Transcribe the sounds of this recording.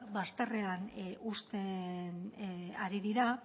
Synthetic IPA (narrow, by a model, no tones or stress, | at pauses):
bast̪are̞anust̪enaɾiðiɾa